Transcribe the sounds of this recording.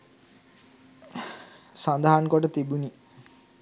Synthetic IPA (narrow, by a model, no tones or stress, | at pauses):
sand̪aɦankɔʈət̪ibuni